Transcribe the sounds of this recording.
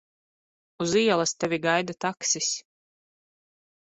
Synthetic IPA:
uziɛlˠast̪ɛvʲiɡajd̪at̪aksis

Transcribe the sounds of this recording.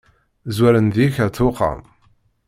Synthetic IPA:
zwæɾənðiçaθʊqɑ̰m

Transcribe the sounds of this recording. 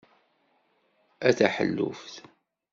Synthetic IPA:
æθaħə̰lːṵfθ

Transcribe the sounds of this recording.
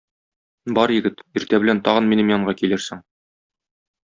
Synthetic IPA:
bɒɾjɘ̆ɡɘt̪iɾt̪æbɘ̆lænt̪ɒʁɤ̆nminɘmjɑɴɢɑkilɘɾsɘŋ

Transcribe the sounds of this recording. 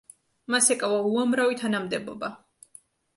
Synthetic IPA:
masɛkʼavauamɾavit̪ʰanamd̪ɛbɔ̰ba

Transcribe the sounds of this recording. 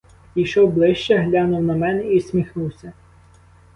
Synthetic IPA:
ijʃɔwblˠɪʃt͡ʃɛɦlʲɑnʊwnɐmɛnɛisʲmʲixnuwsʲɐ

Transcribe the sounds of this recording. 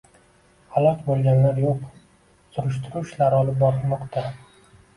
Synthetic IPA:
halˠɒqbolˠɡʲanlaɾjoq | sʊɾɪʃt̪ʰʊɾʊʃlaɾɒlɪp̚bɒɾɪmɒqt̪ʰa

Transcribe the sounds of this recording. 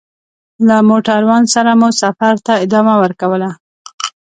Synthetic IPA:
lamoʈaɾwansaɾamusafaɾt̪aɪd̪ɑmawəɾkawəla

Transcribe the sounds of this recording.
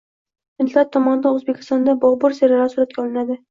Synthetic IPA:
mɪnt̪lat̪ʰːɒmɒnɪd̪anozbekʲɪ̥st̪ɒnd̪abɒbʊɾseɾalaɾsuɾat̪̚kʲaɒlˠɪnad̪ɪ

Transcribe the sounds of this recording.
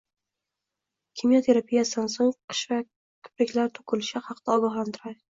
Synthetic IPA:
kʲʰimijot̪ʰe̞ɾapʰijasɪd̪ansoŋqʰɨ̥ʃva | kʰʊ̥pɾɪkʲlaɾt̪ʰʊ̥kʰʊlɪʃahɑqd̪̥aɒɡɒχlant̪ʰʊɾajɪ

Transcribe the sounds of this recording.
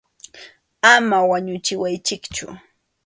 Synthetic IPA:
amawaɲʊt͡ʃɪwajt͡ʃɪkt͡ʃʊ̰

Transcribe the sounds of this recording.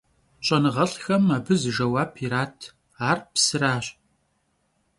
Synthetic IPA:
ɕʼɐnɨʁɐɬxɐmaːbɨzɨʒɐwaːpʰiɾaːtʰ | aːrpsɨraːɕ

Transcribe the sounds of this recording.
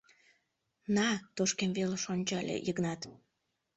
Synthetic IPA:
nɑt̪oʃkemveleʃonʲt͡ɕɑlʲḛjəknɑt̪

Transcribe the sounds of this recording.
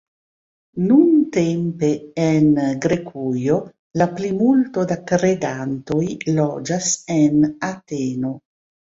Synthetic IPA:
nunt̪empeenɡɾekʰujo | laplimult̪od̪akɾed̪ant̪ojlɔd͡ʒasenat̪eːno

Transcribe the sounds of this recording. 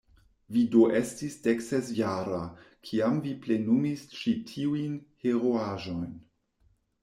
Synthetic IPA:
vidoʔe̞stisdeksezjaɾakʰiamviple̞numist͡ʃitʰiujnheɾoaʒo̞jn

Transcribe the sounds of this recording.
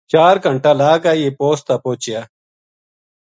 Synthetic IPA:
t͡ʃaːɾkəɳʈaːlaːkaːieːpoːst̪aːpoːt͡ʃɪjaː

